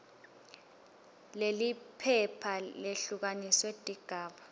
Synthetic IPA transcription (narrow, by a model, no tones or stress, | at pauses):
lelipʰɛpʰaleɬuk̬aniswed̥ʼʱiɡ̥ʱaːɓa